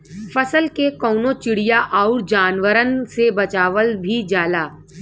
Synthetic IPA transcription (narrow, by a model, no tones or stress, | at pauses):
fɐsəlkekɔːnõt͡ʃɪɽijaʔaʊɾd͡ʒaːnʋəɾənsebɐt͡ʃaːʋəlbʱid͡ʒaːlaː